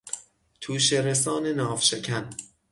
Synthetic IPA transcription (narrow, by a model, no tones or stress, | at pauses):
t̪ʰuːʃeɾesɒːnenɒːvʃekʲʰæn